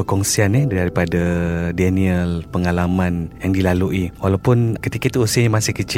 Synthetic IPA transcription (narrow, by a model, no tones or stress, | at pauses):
əkɔŋsianiaɾipadadɛniəlpəŋalamãnjaŋdilaluʔiwalawpʊnkət̪ikait̪uusiəɲamasɪhkət͡ʃɪ